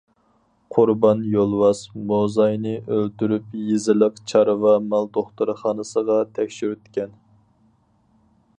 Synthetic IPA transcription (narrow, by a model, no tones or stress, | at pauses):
qʰʊɾbɑnjolˠwɑsmozɑjnɨʔølt̪yɾypjezɪləqt͡ʃʰɑɾɨvɑmɑlˠd̪oχt̪uɾɨχɑːnɨsəʁɑt̪ʰɛkʲʃyɾyt̪kʲɛn